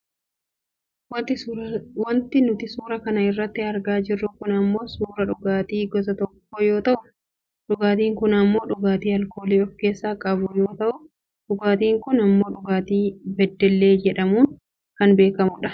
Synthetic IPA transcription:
w̪ | wɐnt̪ɪnʊt̪ɪsuːɾɐkɐnɐɪrːɐt̪ːɪɐɾɡaːd͡ʒɪrːʊkʊnɐmːo̞ːsuːɾɐᶑʊɡaːt̪iːɡɔzɐt̪ɔkːɔjo̞ːt̪ɐʔʊ | ᶑʊɡaːt̪iːŋkʊnɐmːo̞ːᶑʊɡaːt̪iːɐlko̞ːleːɔfke̞ːsːaːkʼɐbʊjo̞ːt̪ɐʔʊ | ᶑʊɡaːt̪iːŋkʊnɐmːo̞ːᶑʊɡaːt̪iːbɛd̪ːɛlːe̞ːd͡ʒɛᶑɐmuːn | kɐnbe̞ːkɐmʊᶑɐ̥

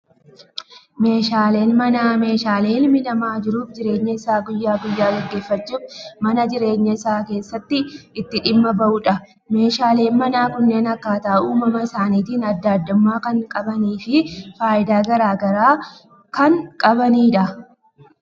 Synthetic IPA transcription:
me̞ːʃaːle̞ːnmɐname̞ːʃaːle̞ːɪlmɪlɐmaːd͡ʒɪɾuːfd͡ʒɪɾe̞ːɲːɐɪsaːɡʊjːaːɡʊjːaːɡɐɡːe̞ːfːɐt͡ʃːuːfmɐnɐd͡ʒɪɾe̞ːɲːɐɪsaːke̞ːsːɐt̪ːɪʔɪt̪ːɪᶑɪmːɐbɐʔʊᶑɐ | me̞ːʃaːle̞ːnmɐnaːkʊnːe̞ːnɐkːaːt̪ɐʔuːmɐmɐɪsaːniːt̪iːnɐd̪ːaːd̪ːʊmːaːkɐŋkʼɐbɐniːfɪfaːʔɪd̪aːɡɐɾaːɡɐɾaː | kɐŋkʼɐbɐniːᶑɐ

